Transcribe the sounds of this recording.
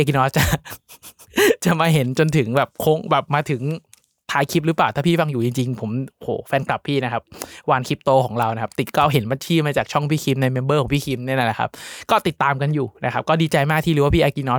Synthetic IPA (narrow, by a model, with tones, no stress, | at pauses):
a˧ki˧nɔː˦˥s̚t͡ɕa˨˩ | t͡ɕa˨˩ʔmaː˧ɦe˩˦nt͡ɕo˧nt̪ʰɯ˨˩˦ŋbɛː˨˩p̚kʰo˧˥ŋbɛː˨˩p̚maː˧t̪ʰɯ˩˦ŋ | t̪ʰaː˨˦jkʰi˦˥p̚ɾɯː˦˥plaː˨˩t̪aː˥˩pʰiː˥˩fa˧ŋjuː˨˩t͡ɕi˧ŋt͡ɕi˧ŋpʰo˩˦mo˩ho̰ː˩˦fɛː˧nkla˨˩pʰːiː˥˩na˦˥kʰa˦˥p̚waː˧nkʰi˦˥p̚t̪oː˧kʰɔː˩˦ŋɾa˧wna˦˥kʰa˦˥p̚t̪i˨˩kɔː˥˩ɦe˩˦nma˧nt͡ɕʰiː˥˩maː˧t͡ɕaː˨˩k̚t͡ɕʰɔ˥˩ŋpʰiː˥˩kʰi˧˥mna˧jmɛː˧nbɤː˦˥˩kʰɔː˩˦ŋpʰiː˥˩kʰi˧˥mni˥˩ɐla˧˩la˨˩a̰˦˥p̚kɔː˥˩t̪i˨˩t̪ːaː˧mka˧njuː˨˩na˦˥kʰa˦˥p̚kɔː˥˩diː˧t͡ɕa˧jmaː˥˩k̚t̪ʰiː˥˩˨ɯː˨˦waː˥˩pʰiː˥˩ʔaː˧ki˧nɔː˦˥